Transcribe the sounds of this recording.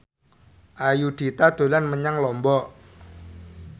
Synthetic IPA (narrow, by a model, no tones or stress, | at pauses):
ʔajud̪̥i̤t̪ad̪̥o̤lanməɲaŋlɔmbɔʔ